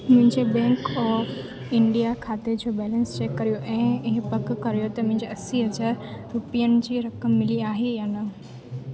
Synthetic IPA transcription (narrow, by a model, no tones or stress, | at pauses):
mʊ̃ɦɪ̃ɲd͡ʑebɛ̃ːŋkɔːf | ɪ̃ɳɖijakʰaːt̪ed͡ʑoːbɛːlə̃nst͡ɕeːkːɐɾijoʔɛ̃ːɪɦɪpɐkkːɐɾijot̪ɐmʊ̃ɦɪ̃ɲd͡ʑeɐsiɦɐd͡ʑaːɾɾʊpijənɪ̆d͡ʑiːɾɐkəmːɪliaːɦejaːnɐ